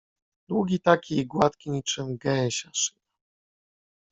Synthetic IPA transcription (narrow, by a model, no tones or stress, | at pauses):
d̪wuɡʲit̪akʲiiɡwat̪kʲiɲit͡ʂɘmɡɛɲɕaʂɨ̥na